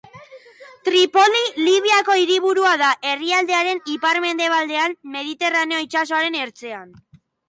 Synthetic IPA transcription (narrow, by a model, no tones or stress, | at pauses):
t̪ɾipo̞liliβ̞iako̞iɾiβ̞uɾuaðaʔe̞riald̪e̞aɾe̞nipaɾme̞nd̪e̞β̞ald̪e̞anme̞ð̞it̪e̞rane̞o̞it͡ʃas̬o̞aɾe̞ne̞ɾt͡se̞an